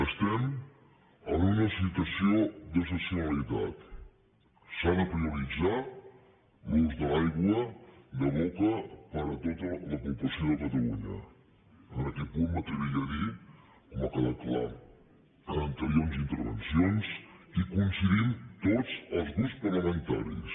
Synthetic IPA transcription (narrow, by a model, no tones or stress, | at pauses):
əst̪ɛm | ənunəsit̪wəsiod̪əs̬əsunəlit̪a̰t̪ | sanəpɾiuɾid͡zat | luzðəlajɣwəd̪əβɔkəpəɾət̪ot̪ələpupləsioðəkət̪əluɲə̰ | ənəkɛt̪̚punmət̪ɾiβiʎəði | koməkaðəkla̰ | əənt̪əɾjonzint̪əɾβə̰nsionsikunsiðint̪od͡zəlˠzðuspərləmənt̪a̰ɾḭs